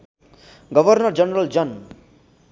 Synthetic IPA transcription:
ɡʌbʱʌrnʌrd͡ʒʌnrʌld͡ʒʌn

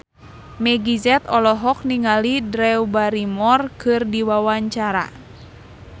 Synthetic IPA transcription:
mɛɡizɛt̪ɔlɔɦɔk̚niŋalidɾɛwbaɾimɔrkʰɨrdiwawaɲt͡ʃaɾa̰

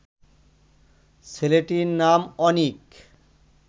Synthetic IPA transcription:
sʰeleʈiɾnamɔnik

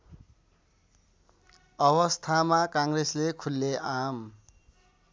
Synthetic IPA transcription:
ʌβʌst̪ʰamakaŋɡreslekʰulːeʔam

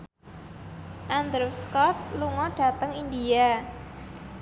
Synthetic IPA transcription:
ʔand̪ɾuskɔt̪̚luŋɔɖ̥a̤t̪əŋindia

